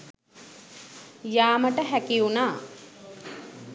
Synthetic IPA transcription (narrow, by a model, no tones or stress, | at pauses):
jaːməʈəɦækiunaː